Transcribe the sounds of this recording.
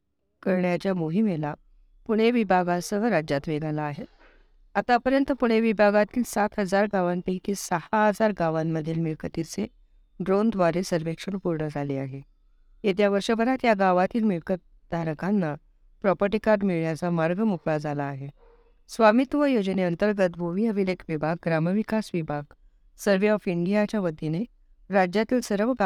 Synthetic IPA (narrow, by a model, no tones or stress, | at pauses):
kəɾɳjat͡ɕjamoɦimela | puɳ̤̃eʋibʱaɡasəɾad͡ʑjat̪ʋeɡalaːɦet | at̪apəɾjənt̪əpuɳ̤̃eʋibʱaɡat̪iːlsat̪ɦəd͡zaɾɡaʋanpekisəhaɦəd͡zaɾɡaʋamːəd̪ʱːjelmiɭkət̪it͡se | ɖɾond̪ʱʋaɾesəɾʋekʂəɳpuɾɳəd͡zʱaleaɦe | jet̪̬jaʋəɾʂəbəɾat̪jaɡaʋat̪iːlmiɭkət̪ | d̪ʱaɾəkanːa | pɾɔpəʈikaɾɖmiɭjat͡samaɾɡʱəmupɭad͡zalaːɦe | sʋamit̪ʋəjod͡ʑəneənt̪əɾɡət̪bʱoʋiəʋilekʰʋibʱaɡ̚ɡɾaməʋikasʋibʱaɡ | səɾʋeɔfiɳɖijat͡ɕaʋəd̪ʱːine | ɾad͡ʑjat̪iːlsəɾəʋɡ